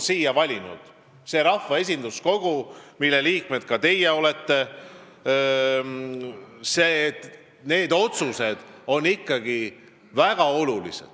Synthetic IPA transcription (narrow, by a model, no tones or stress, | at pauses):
siːjɑvɑlʲinṵd̪̥ | se̞ɾɑfɑe̞s̬ʲind̪usko̞ɡ̥umilːe̞liːk̚me̞d̪̥̚kɑt̪e̞jeo̞le̞t̪ːe̞ | seːt̪ | ne̞ːd̪o̞t̪suse̞d̪̥o̞nːikːɑɡi | væɡ̥ɑo̞lulḭse̞̰d̪̥